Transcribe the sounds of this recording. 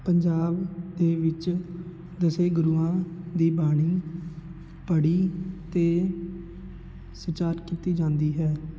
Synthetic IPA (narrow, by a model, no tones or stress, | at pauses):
pəɲd͡ʒaːbd̪eːʋɪt͡ʃ | d̪əseːɡʊɾuːãːd̪iːbaːɽ̃iː | pəɽiːt̪eː | sɪt͡ʃaːɾkiːt̪iːd͡ʒãːnd̪iːɦɛː